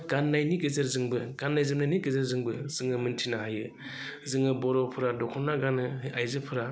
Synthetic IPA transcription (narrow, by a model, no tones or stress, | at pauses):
ɡ̥anːajniɡezeɾzɯŋbɯɡanːajzɯmnajnikezɯɾzɯŋbɯz̥ɯŋɯmɯntʰinaɦajɯ | zɯŋɯbɔɾɔpʰɯɾadɔkʰɔnːaɡanɯajzɯpʰɯɾa